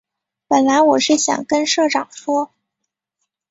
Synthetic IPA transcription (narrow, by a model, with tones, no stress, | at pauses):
pə˨˩nla˧˥ɪwɔ˨˩ʂɻ̩˥˩ɕjɑ̰˨˩ŋkə˥nʂɤ˥˩ʈ͡ʂɑ˨˩ŋʂwɔ˥